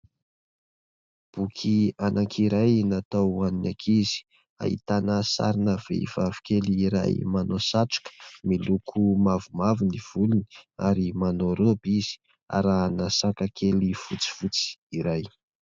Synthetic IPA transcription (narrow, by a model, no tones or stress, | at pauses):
b̥ukʰianʔakʰiɾajnat̪awaninakʰizi̥ | a̰hḭt̪anəsa̰ɾinəvḛiv̥avi̥kʲeliːɾa̰jmanosaʈ͡ʂu̥kə̥milukʰumavumaviniv̥uluni̥a̰ɾimanoɾobiz̥i̥ | a̰ɾanasakakʰelifut͡si̥fut͡si̥iɾaj